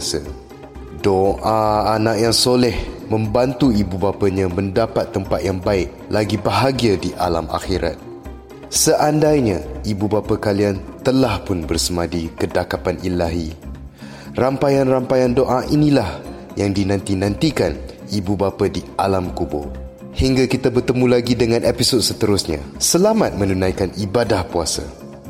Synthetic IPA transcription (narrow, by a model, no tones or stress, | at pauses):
sə̰ | doʔaːnãk̚jaŋsolɛhmə̃mbant̪uibubapaɲãmə̃ndapat̪ːəmpat̪̚jaŋbaɪk̚laɡibəɦaɡiadiʔalama̰xiɾʔa̰t̪̚ | səʔandajɲãibubapakaliant̪əlahpʊnbərsəmadikədakapanilaɦi | rampajanrampajandoʔaʔinĩlah | jaŋdinãnt̪inãnt̪ikan | ibubapadia̰lamkubʊ̰r | hiŋɡakit̪abərt̪əmũlaɡidəŋãnʔepisɔd̚sət̪əɾʊsɲa̰səlamat̪̚mə̃nunãjkanibadahpuasa̰